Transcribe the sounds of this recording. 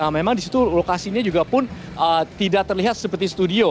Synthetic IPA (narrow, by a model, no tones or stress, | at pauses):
amemaŋdisit̪ulokasiɲad͡ʒuɡapʊn | ʔət̪idak̚t̪ərliɦat̪̚səpərt̪ist̪udio